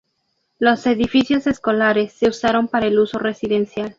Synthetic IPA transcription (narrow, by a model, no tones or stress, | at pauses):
lo̞se̞ðifisjo̞se̞sko̞laɾe̞sːe̞usaɾo̞mpaɾaelusore̞siðe̞nsjal